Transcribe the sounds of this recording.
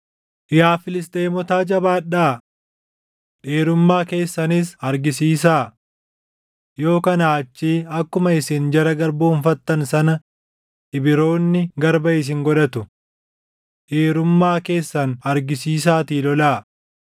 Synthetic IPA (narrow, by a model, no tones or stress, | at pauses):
ʔɪjaːfɪlɪs̬t̪ejmɔt̪aːd͡ʒɐbaːᶑaː | ᶑeːɾʊmːaːke̞ːsːɐnɪsɐɾɡɪsiːs̬aː | jo̞ːkɐnaːt͡ʃːiːɐkːʊmɐɪsiːnd͡ʒɐɾɐɡɐɾboːʊnfɐt̪ːɐnsɐnɐ | ʔɪbɪɾo̞ːnːɪɡɐɾbɐɪs̬ɪŋɡɔᶑɐt̪ʊ | ᶑeːɾʊmːaːke̞ːsːɐnɐɾɡɪsiːs̬aːt̪iːlɔlaː